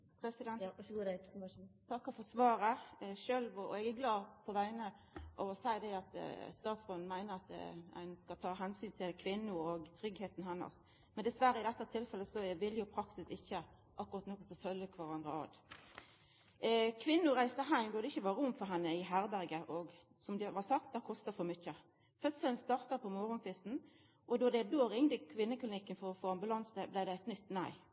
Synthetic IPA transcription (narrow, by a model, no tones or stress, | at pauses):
pʰɾɛsɪd̪ɛntː | t̪ʰɑkːɑfɔsʋɑːɾəʃøːlʋɔɔ̰ɛɡæɡlɑːpʰɔʋæɪnə | ʔɔsæɪd̪ɛɑt̪st̪ɑːt̪sʁoːd̪n̩mæɪnəɾɑt̪ɛ̰nskɑlt̪ʰɑːɦɛnsyːnt̪ʰɪlkʰʋɪnːʊɔɡt̪ʰɾʏɡheːt̪nhɛnːə̰s | mɛnd̪ɛsʋæɾəɪd̪ɛt̪ːət̪ʰɪlfɛlːəsɔʋɪljʊpʰɾɑksɪsɪçːə | ʔɑkːʊɾɑt̪nɔkːəsɔfœljəkʰʋɑʁɑnd̪ʁəɑ̰d̪ | kʰʋɪnːʊɾæɪsəɦæɪmd̪ɔd̪ɛɪçːəʋɑːɾəʊmfɔɾɦɛnːəɪɦæɾbæɾɡəʔɔɡ | sɔmd̪ɛʋɑsɑk̚t̪̚d̪ɛkʰɔst̪ɑfɔmʏçə | fœt̪sənst̪ɑʁt̪əpʰɔmɔɾʊŋpʰɪsn̩ | ʔɔd̪ɔd̪ɛd̪oːɾɪŋd̪əkʰʋɪnːəkʰlɪnɪkːənfɔɾɔfoːɑmbʉlɑnsəblɪd̪ɛæɪt̪nʏt̪ːnæɪ